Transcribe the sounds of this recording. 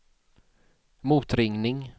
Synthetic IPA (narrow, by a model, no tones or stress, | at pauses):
muːt̪ɾɪŋnɪŋ